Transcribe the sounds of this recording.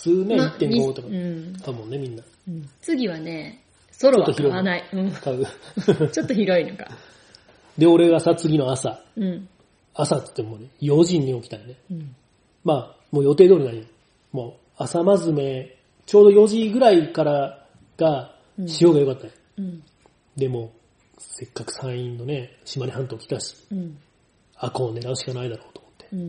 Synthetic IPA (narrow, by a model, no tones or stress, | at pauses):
sɨːneit̪ːẽŋɡot̪ːokkaɯ̟mõ̞nːe̞mʲĩnːa | t͡sɨɡʲiβane | soɾotːo̞çiɾo̞inaiɯ̃ɴkaɯt͡ɕot̪ːoçiɾo̞inoka̰ | d̪e̞o̞ɾe̞ɡasat͡sɨɡʲino̞asaɯ̃ | asat̪ɨ̥t̪ːemoːnejo̞ʑĩɲ̟ːio̞kʲi̥t̪aine | maː | mo̞ːjo̞t̪e̞ːd̪o̞ːɾʲinaɲi | mo̞ː | asamazɨme̞ | t͡ɕo̞ːd̪o̞jo̞ʑiɡɯ̟ɾaikaɾa | ɡ̥a | ɕijo̞ːɡajo̞kat̪ːae | d̪e̞mo̞ː | se̞kːakɯ̟̥sãɰ̃ĩnːo̞ne̞ɕimaɾʲiɦãnt̪o̞ːkʲi̥t̪aɕi̥ | ako̞ːne̞ɾaɯ̟ɕi̥kanaid̪aɾo̞ːt̪o̞mo̥t̪ːe̥